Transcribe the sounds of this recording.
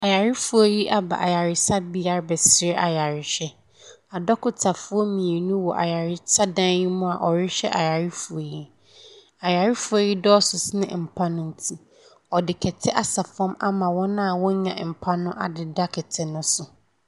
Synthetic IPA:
a˨ja˨ɾɪ˦fu˨o˨ji˦ʔa˦ba̰˨ʔa̰˨ja˨ɾɪ˨sa˦bi˦a˦˨˦bɛ˨sɪ˨ɾɪ˦ʔa̰˨ja˨ɾɪ˨ɕᶣɛ˦ | a˨dɔ˦kʊ˨tʰa˨fʊ˦ɔ˦mĩ˨e˨nũ˦wɔ˨ʔa̰˨ja˨ɾɪ˦sʰa˦dã˦nji˦mʊ̃˦a˨ʔɔ˨ɾɪ˦ɕᶣɛ̰˦ʔa̰˨ja˨ɾɪ˦fu˨a˨ji˦ | a˨ja˨ɾɪ˦fu˦a˨ji˦dɔː˦sʊ˨snɪ̰̃˦˨m̩˨pʰã˦nʊ̃˦n̩˦tʰi˦ | ɔ˨dɪ˨kʰɛ˨tʰɪ˦ʔa˨sa˨fɔ̃˦ma̰˦mã˨wɔ̃˦nã˦a˨wɔ̃˦ɲã̰˨m̩˨pʰa˦nʊ̃˦ʔa˨dɪ˨da˦kʰɪ˨tʰɪ˨nʊ̃˦sʊ˨

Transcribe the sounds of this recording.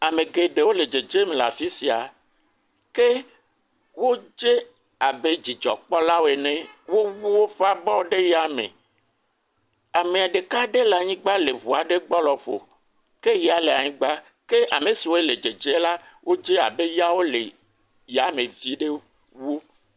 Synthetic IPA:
a˨mẽ˨ɡe˨ɖe˨wo˦le˨d͡ʒe˨d͡ʒe˦m˨la̰˨fi˦si˨a˨ | ke˦ | wo˦d͡ʒe˦ | a˨be˦d͡ʑi˨d͡ʒɔ̰˨k͡pɔ˦la˦wo˦e˨nẽ˦wo˦wu˦wo˦ɸa˦bɔ˦ɖe˦ja˨mḛ̃˨ | a˨mẽ˨a˨ɖe˨ka˦ɖe˦la˨ɲĩ˦ɡ͡ba˦le˨vu˨a˨ɖe˦ɡ͡bɔ˦lɔ˨ɸo̰˨ | ke˦je˦a˨le˨a˨ɲĩ˦ɡ͡ba˦ | ke˦ʔa̰˨me˨si˨wo˦e˦˨le˨d͡ʒe˨d͡ʒe˦la˦wʔo˦d͡ʒe˦a̰˨be˦ja˦wo˦lḛ˨ | ja˨me˨vi˦ɖe˦ | wu˦

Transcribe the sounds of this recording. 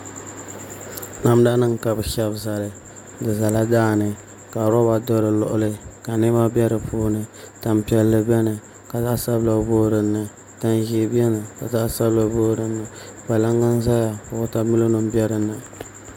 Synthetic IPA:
na˦m˦da˦nɨ˦ŋ˨ka˨bɨ˨ʃɛ˦bza˨lɨ˨ | dɨ˨za˨la˦daː˦˨nɨ˨ | ka˨ɾɔ˦ba˨dɔ˦ɾɨ˨lɔ̰˦ʔʊ˦lɨ˦ka˨nɨ˦ma˦bʲɛ˦ɾɨ˨pʰuː˦nɨ˨ta˨mpi˨ɛ˨lːɨ˦bɛ˦nɨ˨ | ka˨za˦sa˦bla˨˦boː˦ɾɨ˨nːɨ˨ | ta˦nʒi˦bɛ˦nɨ˨ka˨za˦sa˦bla˨boː˦ɾɨ˨nːɨ˨ | ba˨la˦ŋːa˦n˦za˦ja˨kʊ˨ʊ˦ta˦mi˦lo˦nɨ˦mbɛ˦ɾɨ˨na˨

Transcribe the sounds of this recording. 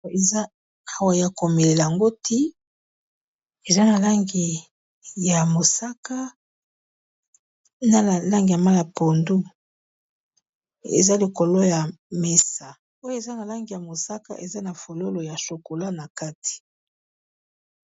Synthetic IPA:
e˨za˦ | a˦˨wa˨ja˨ko˨me˨le˨la˨a˨ŋɡo˦ti˦ | e˨za˦na˨la˦ŋɡi˨ | ja˨mo˨sa˦ka˦ | na˦˨la˦ŋɡi˨ja˨ma˦la˨po˨ndu˦ | ḛ˨za˦li˨ko˨lo˦ja˨me˦sa˨ | o˦jo˦e˨za˦na˨la˦ŋɡi˨ja˨mo˨sa˦ka̰˦ʔe˨za˦na˨fo˨lo˦lo˨ja˨ʃo˨ko˨la˦na˨ka˦ti̥˨

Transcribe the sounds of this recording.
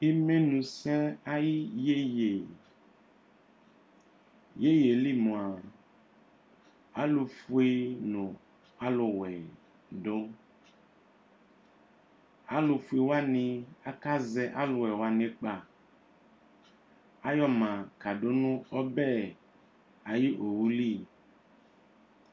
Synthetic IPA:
e˦mẽ˦nũ˨sɛ̃˦a˦ji˦je˦je˨ | je˦je˨li˦mũ˨a˨ | a˦lu˨fu˦e˦nũ˨ | a˦lo˨wɛ˨ | ɖo˦ | a˦lu˧fu˦e˨wa˦nĩ˧a˦ka˦zɛ˦ʔa˦lʊ˨wɛ˨wa˦nẽ˦k͡pa˨ | a˦jɔ˦mã˨ka˨ɖo˦nũ˦ɔ˦bɛ˦˨ | a˨ji˦ʔo˨wu˦li˦˨

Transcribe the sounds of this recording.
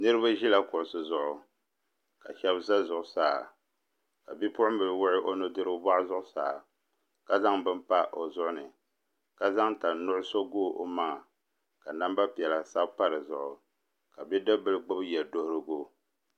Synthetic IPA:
nɨ˦ɾɨ˦ba˦ʒi˦la˦kʊ˨ʔʊ˨sɨ˨zʊ˨ʔʊ˨ | ka̰˨ʃɛ˦bza˦zʊ˨ʔʊ˨saː˦˨ | ka˨bi˦pʊ˦ʊ˦m˦bɨ˨ɨ˨wʊ˦ʔɪ˦ʔo˦no˦dɨ˦ɾɨ˦bba˦ʔzʊ˦ʔʊ˦sa̰ː˨ | ka˨za˦ŋbɨ˦mpa˦ʔo˨zʊ˦ʔʊ˦nɨ˨ | ka˨za˦ŋta˨nʊ˦ʔʊ˦so˦ɡoː˦˨ʔo˦maː˦˨ | ka˨na˦mba˦pi˨ɛ˨la˨sa˦bpa˦ɾɨ˨zʊ˨ʔʊ˨ | ka˨bi˦dɨ˦bɨ˦lɨ˦ɡ͡bɨ˦bjɛ˨do˦hʊ˦ɾɨ˦ɡo˦

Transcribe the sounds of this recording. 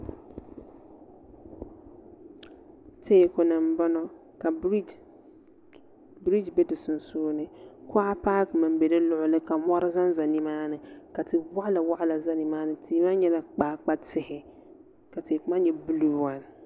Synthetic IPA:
tʰeː˦˨kʊ˨nɨ˨m̩˦ba˦nɔ˦ | ka˨˦ | bɾi˦d͡ʒbɛ˦dɨ˨sʊ˨n˨soː˦nɨ˦kʊ˦a˦paː˦kma˨m˦bɛ˨dɨ˦lʊ˦ʔʊ˦lɨ˦ka˨mɔ˦ɾɪ˦za˦nza˨ni˨maː˦nɨ˨ka˨tɪ˨ba˦ʔla˨wa˦ʔla˨za˦ni˨maː˦nɨ˨tʰiː˦ma˦ɲɛ˦la˨k͡paː˨˦˨k͡pa˦tɪ˦hɪ˨ | ka˨teː˨kʊ˨ma˦ɲɛ˦bɨ˦luː˦˨wa˨n˨

